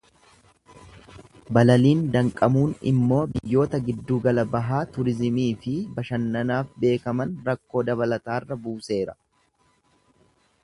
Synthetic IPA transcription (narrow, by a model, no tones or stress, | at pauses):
bɐlɐliːnd̪ɐŋkʼɐmuːnɪ̰mːo̞ːbɪjːo̞ːt̪ɐɡɪd̪ːuːɡɐlɐbɐɦaːt̪ʊɾɪzɪmiːfɪbɐʃɐnːɐnaːfbe̞ːkɐmɐnɾɐkːo̞ːd̪ɐβɐlɐt̪aːrːɐbuːse̞ːɾɐ